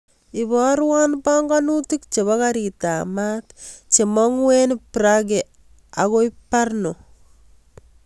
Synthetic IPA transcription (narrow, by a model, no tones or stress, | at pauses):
ibɔɾwanpaŋɡanutikt͡ʃeβɔkaɾitamatt͡ʃemɔŋwenpɾaɡe | akoiparno